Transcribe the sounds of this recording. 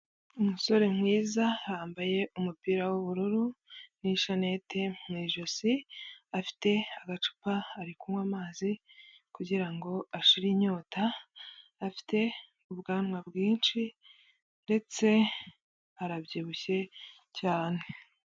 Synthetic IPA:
umuso̞ɾe̞mŋiːzahaːmbaje̞ʔumupiːɾawuβuɾuɾuniʃane̞temwiʒosiafi̥te̞aɡat͡ʃu̥paːɾikumwamaːzi | kuɟiɾaŋɡo̞aʃiɾiɲo̞ːtaː | fi̥te̞ | uβɡaːnŋwabɡiːnt͡ʃi | nde̞t͡se̞ | aɾabɟiːβuçe̞ | caːne̞

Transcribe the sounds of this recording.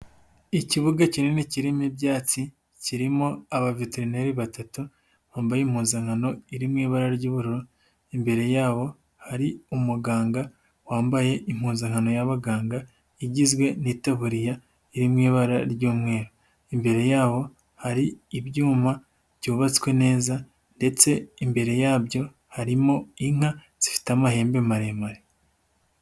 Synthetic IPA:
iciβuɡacininiciɾimibɟaːt͡si | ciɾimo̞aβaviteɾineɾiβatatu | βaːmbajiːm̥huːnzaŋ̥hano̞iɾimŋiːβaɾaɾɟuːβuɾuɾo | imbe̞ɾe̞jaːβo̞ | haɾiumuɡaːŋɡa | waːmbaje̞ʔim̥huːnzaŋ̥ano̞jaβaɡaːŋɡa | iɟizɡwe̞nitaβuɾija | iɾimŋiːβaɾaɾɟuːmŋe̞ːɾo | imbe̞ɾe̞jaːβo̞ | haɾiːβjuːma | b̥ɟuːβat͡skwe̞ne̞ːza | nde̞t͡se̞imbe̞ɾe̞jaːbjo̞ | haɾimo̞iŋ̥ha | z̥ifi̥tamahe̞ːmbe̞maɾemaɾe

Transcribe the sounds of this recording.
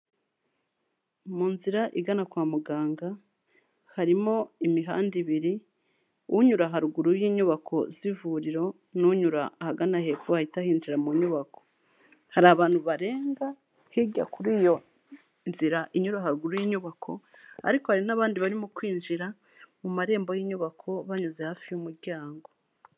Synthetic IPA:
muːnziɾaʔiɡanakwaːmuɡaːŋɡa | haɾimo̞imiɦa̰ːndiβiɾi | uɲuɾaɦaɾuɡuɾujiːɲuβakʰo̞zivuɾiɾo̞ | nuɲuɾa̰ːhaɡanahe̞pfuhahitahiːnziɾamuɲuβako̞̥ | haɾaːβaːn̥huβaɾe̞ːŋɡa | hiɟa̰kuɾiːjo̞ | nziɾaʔiɲuɾaɦaɾuɡuɾujiːɲuβakʰo̞̰ | a̰ɾikohaɾinaβaːndiβaɾimokwiːnʒiɾa | mumaɾe̞ːmbo̞jiːɲuβakʰo̞βaɲuzehaːfijumuɾɟaːŋɡo̞

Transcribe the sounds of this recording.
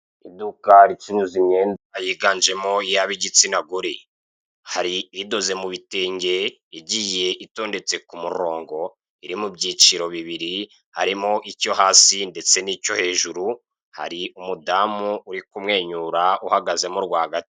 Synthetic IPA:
idukaɾit͡ʃinuzimɲe̞ːndajiːɡand͡ʒe̞mo̞ijaβiɟit͡sinaɡuɾi | haɾiido̞zemuβiteːɲɟe̞ | iɟiːje̞ʔito̞ːnde̞t͡se̞kumuɾo̞ːŋɡo̞ | iɾimubɟiːt͡ʃiɾo̞βiβiɾi | haɾimo̞ʔico̞haːsinde̞t͡se̞nico̞he̞ːʒuɾu | ha̰ɾiumudamuuɾikumŋe̞ːɲuɾauhaɡaze̞moɾɡwaːɡati̥

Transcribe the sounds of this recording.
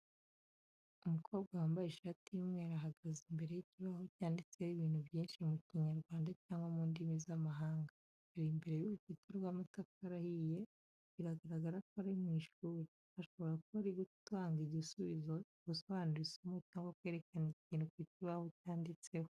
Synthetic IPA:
umukʰo̞ːβɡawambaiʃɾatʰimŋwe̞ɾaɦaɡazimbe̞ɾe̞jiciβaho̞caːndit͡sewiβiːnhuβjiːnʃimuciɲaɾɡwaːndacaːŋɡwamuːndimizamaɦaːŋɡa | aɾimbe̞ɾe̞juβukitoɾɡwamatafaɾahije | βiɾaɡaɾaɡaɾak̚aɾaimwiːʃuːɾi | aʃo̞βo̞ɾakuβaɾiɡutwaːŋɡiɟisuβizo̞ | ɡusoβaːnuɾisomocaːŋɡwakwe̞ːɾe̞kaniciːnukiciβaho̞caːndit͡se̞ho

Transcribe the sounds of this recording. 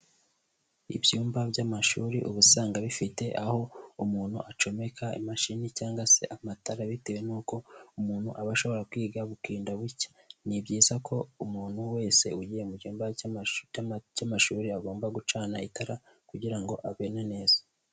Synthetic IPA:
ḭbɟuːmbabjamaʃuːɾiʔuβusaːŋɡaβifite̞ʔaho̞umuːnhuʔat͡ʃo̞me̞kʰaḭmaʃinicaːŋɡwase̞ʔamataɾaβitewe̞nuːko̞umuːnhuʔaβaʃo̞βo̞ɾakwiːɡaβukiːndaβucḁnibɟiːzakʰo̞umuːn̥huwe̞ːse̞̰uɟijemubɟuːmba | ɟamaʃuːɾiaɡoːmbaɡut͡ʃaːnaitaɾakuɟiɾaŋɡo̞ʔaβe̞nane̞ːz̥ḁ

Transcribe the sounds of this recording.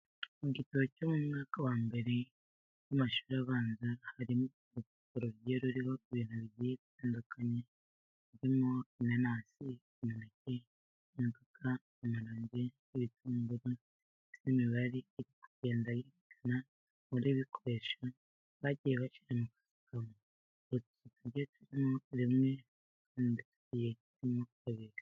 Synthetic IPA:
muɟitaβocomumŋaːkawaːmbe̞ɾe̞ | jamaʃu̥ɾaβaːnzahaɾimo | utikoɾoɾɟeɾuɾiho̞iβiːn̥huβiɟiiβitaːndukʰaɲe | iɾimoinanaːsi | imonece | uɡakʰaː | maɾoːɲɟeː | βitʰuːmɡuɾu | tiimiβaɾiːɾikuɟ̥e̞ːndajiɾikʰana | muɾiβikʰoɾe̞ʃa | βaɟijeβaʃiɾemukḁsi̥kamo | oɾutu̥situɾɟetuɾimo̞ɾimŋe̞ | kʰaːnditu̥ɟijeitimokukaβiɾi

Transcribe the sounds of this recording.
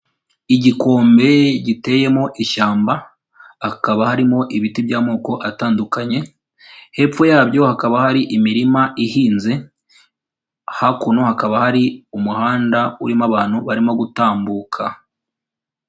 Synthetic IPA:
iɟiko̞ːmbe̞ɟite̞je̞moʔiʃaːmba | hakaβahaɾimo̞ʔiβitibjaːmoːko̞ʔataːndukaɲe̞ | he̞p͡fojaːbjo̞hakaβahaɾiʔimiɾimaʔihiːnze̞ | hakunohakaβahaɾiumuhaːndauɾimaβaːn̥huβaɾimo̞ɡutaːmbuːkʰa

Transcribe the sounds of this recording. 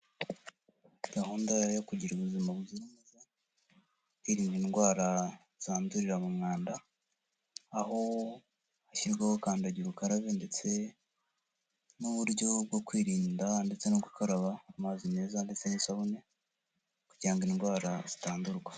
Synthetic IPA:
ɡ̥aɦuːndajokuɟiɾuβuzimaβuziɾimeza | iɾiːnɡinɡwaːɾa | z̥aːnduɾiɾamumŋaːnda | ho̞ | haçiɾɡwahokaːndaɟiɾukaɾaβende̞t͡se̞ | nuβuɾɟo̞b̚ɡo̞kwiːɾiːndande̞t͡se̞noɡukaɾaβaːmazime̞ːzande̞t͡se̞nisaβune̞ | kuɟaŋɡinɡwaːɾaz̥itaːnduɾɡwḁ

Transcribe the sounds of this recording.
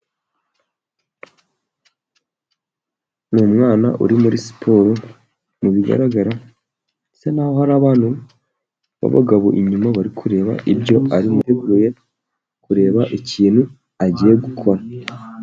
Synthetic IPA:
numŋaːna̰ʔṵɾimuɾisi̥pʰoːɾo | muβiɡa̰ɾaɡaɾa | esenaːho̞haɾaβaːnu | βa̰βa̰ɡaβoʔiɲumaβaɾikʰuɾe̞ːβa̰ʔibɟo̞aɾimuteɡuɾuje̞ | kuɾe̞ːβaʔiciːn̥hu | aɟije̞ɡukʰo̞ɾa

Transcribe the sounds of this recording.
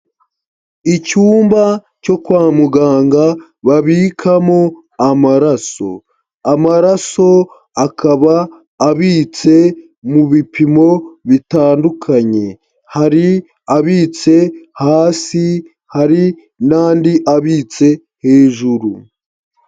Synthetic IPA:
icuːmba | co̞kwaːmuɡaːŋɡa | βaβiːkʰamo | amaɾaso̞̰ | amaɾaso̞ | akʰaβaː | βiːt͡se̞ | muβipimo̞βitaːndukʰaɲe̞ | haɾi | aβiːt͡se̞haːsi | haɾi | naːndiʔaβiːt͡se̞ | he̞ːʒuɾu

